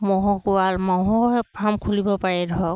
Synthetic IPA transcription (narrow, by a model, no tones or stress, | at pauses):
mɔɦɔkuwalmaɦɔ̃pʰamkʰulibɔpaɹɛdʱɔk